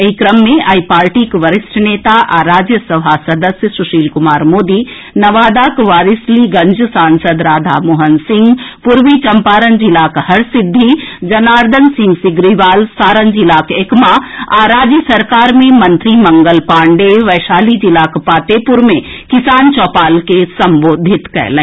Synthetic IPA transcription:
ɐikɾɐmːẽʔaːipaːɾʈiːkʋɐɾɪsʈʰəneːt̪aʔaɾaːd͡ʒjəsɐbʱaːsɐd̪əsjəsuʃiːlkumaːɾmoːd̪i | nɐʋaːd̪aːkʋaːɾisliɡɐɲd͡ʒʱsaːnsəd̪ɾaːd̪ʱa̰moːɦənsɪŋɡpuɾʋit͡ʃɐmpaːɾənd͡ʒilaːkhɐɾsid̪ʱːid͡ʒɐnaːɾd̪ʱənsɪ̃ŋɡsɪɡɾiʋaːlsaːɾənd͡ʒilaːkeːkmaaːɾaːd͡ʒjəsɐɾkaːɾmẽmɐ̃nt̪ɾimɐ̃ŋɡəlpãːɳɖeʋɐːʃaːlid͡ʒilaːkpaːt̪eːpʊɾmẽ | kɪsaːnt͡ʃɔːpaːlkesɐ̃mboːd̪ʱɪt̪kɛ̰ɦlẽ

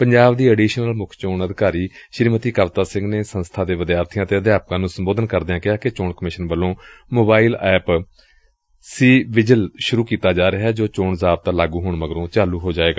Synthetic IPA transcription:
pəɲd͡ʒaːbd̪iːɛːɖiːʃnəlmʊkʰt͡ʃoːnəd̪ɪkaːɾiːʃɾiːmət̪iːkəʋt̪aːsɪ̃ŋɡneːsənst̪ʰaːd̪eːʋəd̪ɪjaːɾt̪ʰijãːt̪eːəd̪ɪjaːp̚kãːnũːsəmboːd̪ənkəɾd̪eãːkɪaːkɪt͡ʃoːɳkəmɪʃənʋəlːõːmoːbaːiːlɛːp | siːʋɪd͡ʒəlʃʊɾuːkiːt̪aːd͡ʒaːɾeɦɛːd͡ʒoːt͡ʃoːɳzaːb̚t̪ãːlaːɡuːɦʊɳməɡəɾõːt͡ʃaːluːɦoːd͡ʒaːeːɡaː

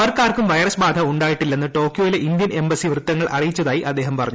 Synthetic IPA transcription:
ɐɐrkaːrkumʋɐjɐrɐsbaːd̪ʱɐuɳɖaːjiʈːilːenːɨʈo̞ːkjo̞ːjileʔind̪jɐnembɐsiʋrɨt̪ːɐŋːɐɭɐrijit͡ɕːɐðaːjiʔɐd̪ːe̞ːɦɐmpɐrɐɲːu

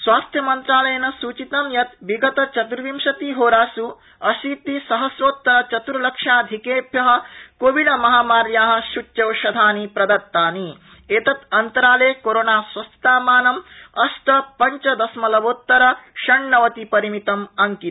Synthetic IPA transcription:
sʋaːst̪ʰjɐmɐnt̪ɾaːlɐjɐnɐsuːt͡ʃit̪ɐmjɐt̪ʋiɡɐt̪ɐt͡ʃɐt̪uɾʋimʃɐt̪iɦoːɾaːsu | ɐʃiːt̪isɐɦɐsɾoːt̪ːɐɾɐt͡ʃɐt̪uɾlɐkʂaːd̪ʱikeːbʱjɐɦɐ̆koːʋiɖɐmɐɦaːmaːɾjaːɦɐ̆ʃut͡ʃːjɐwʃɐd̪ʱaːnipɾɐd̪ɐɾt̪ːaːni | eːt̪ɐt̪ɐnt̪ɐɾaːleːkoɾoːnaːsʋɐst̪aːmaːnɐmɐsʈ̪ɐpɐɲt͡ʃɐd̪ɐsmɐlɐʋoːt̪ːɐɾɐʃɐɳːɐʋɐt̪ipɐɾimit̪ɐmɐŋki

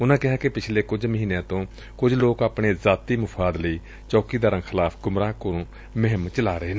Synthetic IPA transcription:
ʊnãːkɪɦaːkɪpɪt͡ʃʰleːkʊd͡ʒməɦiːnjãːt̪õː | kʊd͡ʒloːkaːpɳeːzaːt̪iːmʊpʰaːd̪ləiː | t͡ʃɔːkiːd̪aːɾə̃ŋɡxʰɪlaːpʰɡʊmɾaːkʊɾũː | məɦɪmt͡ʃəlaːɾəeːn

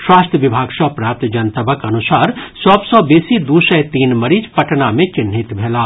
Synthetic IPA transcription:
ʃwaːst̪ʰəʋɪbʱaːɡʃɔːpɾaːp̚t̪d͡ʒɐnt̪əbəkɐnʊsaːɾsɔːbsɔbeːsid̪uːʃɛjt̪iːnmɐɾiːd͡ʒpɐʈnamẽt͡ʃɪnɦɪt̪bʱeːlaː

